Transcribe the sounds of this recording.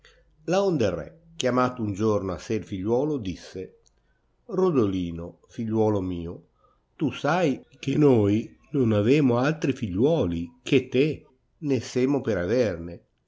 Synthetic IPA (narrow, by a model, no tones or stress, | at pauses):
laond̪erːɛ̰ | k̟jamaːt̪ound͡ʒornoa̰seilfiʎːwɔːlod̪isːe | rod̪oliːno | fiʎːwɔːlomiːo | t̪usajkenoj | nonavɛːmoalt̪ɾifiʎːwɔːlik̟ʰet̪ːe | neseːmopeɾaverne